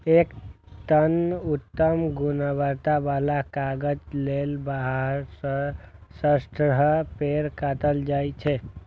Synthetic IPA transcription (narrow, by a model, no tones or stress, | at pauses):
ek | t̪ənut̪ːəmɡunəbəɾt̪abalakaɡəd͡ʒlelbaɦəɾs | səsʈɾəɦəpeɾkat̪əld͡ʒajt͡ʃʰɛ